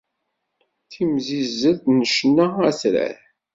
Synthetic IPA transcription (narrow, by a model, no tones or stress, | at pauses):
θimzizəðnəʃnːaæsɾæ̰θ